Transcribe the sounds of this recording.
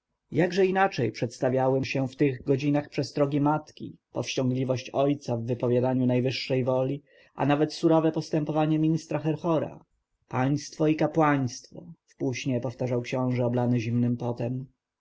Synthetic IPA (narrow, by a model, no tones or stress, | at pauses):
jaɡʐɛinat͡ʂɛjpʂɛt̪st̪avʲjawɛɕɛft̪ɘɣɡɔd͡ʑinaxpʂɛst̪ɾɔɡʲimat̪kʲḭpɔfɕt͡ɕɔ̃ŋɡlʲivɔɕt͡ɕɔjt̪savːɘpɔvʲjad̪aɲunajvɘʂːɛjvɔlʲi | ʔa̰navɛt̪suɾɔvɛpɔst̪ɛmpɔvaɲɛmʲiɲist̪ɾaxɛɾxɔɾa̰ | paj̃st̪fɔikapwaɲ̃st̪fɔ̰fpuɕɲɛpɔft̪aʐawkɕɔ̃w̃ʐɛɔblanɘʑimnɘmpɔt̪ɛm